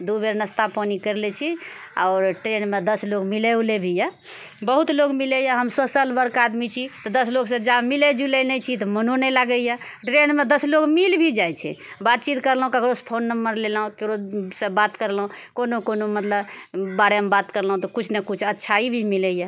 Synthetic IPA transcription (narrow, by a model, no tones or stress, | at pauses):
d̪ubeɾnəst̪apɔnikəɾlɛt͡ʃʰiaʊɾʈɾenmed̪əslokmiləwlebʱija | bəɦut̪lokmilɛjaɦəmsosəlbəɾkad̪mit͡ʃʰit̪ɔd̪əsloɡsə̃d͡ʒamiled͡ʒulenɛt͡ʃʰit̪ɔmənonelaɡəja | ʈɾenmed̪əslokmilbʱid͡ʒajt͡ʃʰɛ̰bat̪̚t͡ʃit̪kəɾlɦũkəkɾospʰonːəmːəɾlelɦũkekɾosə̃bat̪kəɾlɦũkonokonomət̪ləbbaɾemebat̪kəɾlɦũt̪ɔkut͡ʃʰnekut͡ʃʰətːʃʰaibʱimilɛja